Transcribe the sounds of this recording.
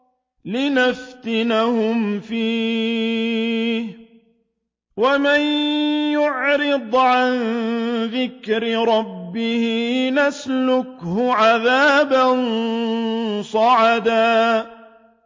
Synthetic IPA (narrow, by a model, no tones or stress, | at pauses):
lɪnaft̪ɪnahʊmfiː | h | wamanjʊʕɾɪd̪ˤʕanðɪkɾɪɾˤɑbːɪhɪnaslʊkhʊʕaðaːban | sˤɑʕad̪aː